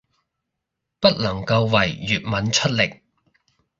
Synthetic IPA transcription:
pɐ˥t̚lɐ˨˩ŋkɐ˧wwɐ˨˩jːyː˨t̚mɐ˨˥nt͡ʃʰɵ˥t̚lɪ˨k̚

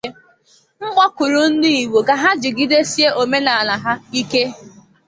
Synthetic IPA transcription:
ŋ͡m̩˦ɡ͡bɔ˦kʊ˨ɾʊ˨n̩˦ni˦i˨we˨ɡa˨ɦa˦d͡ʒɪ˨ɡi˦de˦si˦e˦ʔo˨me˦na˨a˨la˨ɦa˦i˦ke˦

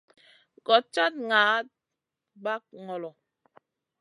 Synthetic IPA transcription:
ɡɔ˨t͡ʃa˦t̚ŋaː˨˦t̚ | ba˦k̚ŋɔ˨lɔ˨

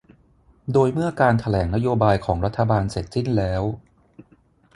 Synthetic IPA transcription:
doː˧jmɯ˥˩ɐkaː˧nt̪ʰa˧lɛː˩˦ŋna˦˥joː˧baː˧jkʰɔː˩˦ŋɾa˦˥t̪ʰːa˧baː˧nse˨˩t̪̚si˥˩nlɛː˦˥w

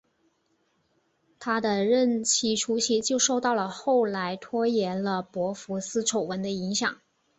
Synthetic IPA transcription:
t̪ʰa˥d̪ə˨ɻə˥˩nt͡ɕʰi˧˥ʈ͡ʂʰu˥ɕi˥˩t͡ɕjo˥˧ʊʂo˥˧ʊt̪ɑ˥˩ʊlə˩xo˥˩ʊla˧˥ɪt̪ʰwɔ˥jɛ˧˥nlə˧pwɔ˧˥fu˧˥sɹ̩˥ʈ͡ʂʰo˨˩ʊwə˧˥nd̪ə˧i˧˥ŋɕjɑ̰˨˩˦ŋ

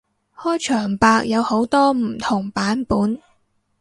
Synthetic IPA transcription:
hɔː˥jt͡ʃʰœː˨˩ŋpaː˧k̚jɐ˨˧who˨˥wt̪ɔː˥m̩˨˩t̪ʰʊ˨˩ŋpaː˨˥npuː˨˥n

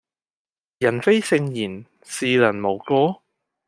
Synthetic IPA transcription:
jɐ˨˩nfe˥jsɪ˧ŋjiː˨˩n | siː˨˧lɐ˨˩nmo˨˩wkɔː˥

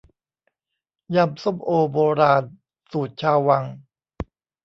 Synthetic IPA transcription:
ja˧mso˥˩mʔoː˧boː˧ɾaː˧n | suː˨˩t̪̚t͡ɕʰaː˧wwa˧ŋ

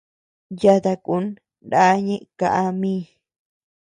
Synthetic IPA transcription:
ja˧t̪a˧ku˨˦n | da˦ɲẽ˦ʔka˧˨ʔa˧mĩː˦

